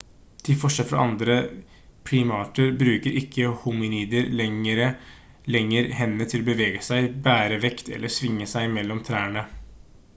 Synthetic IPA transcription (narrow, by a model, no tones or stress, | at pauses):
t̪ʰɪlfɔʂɛlfɾɑ̰ʔɑnd̪ɾə | pʰɽiːmɑːʈəɾbɾʉːkəɾɪkʰːəhʊmɪniːd̪əɾɛəɾə | lɛŋːəɾhɛnːət̪ʰɪlɔbəʋeːɡəsæɪbæːɾəʋɛkt̪ʰɛ̰lːəʂʋɪŋːəsæɪmɛlːɔmt̪ʰɾæːɳə